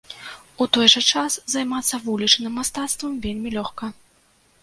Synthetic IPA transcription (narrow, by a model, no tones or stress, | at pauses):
ut̪ɔjʐɐt͡ʂaszajmat̪sːɐvulʲit͡ʂnɨmːast̪at̪st̪vɐmvʲelʲmʲilʲɔxkɐ